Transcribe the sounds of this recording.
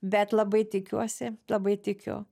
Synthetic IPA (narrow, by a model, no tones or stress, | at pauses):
bʲɛt̪lˠɐbɐɪt̪ʲɪkʲuɔsʲɪlˠɐbɐɪt̪ʲɪkʲʊ̰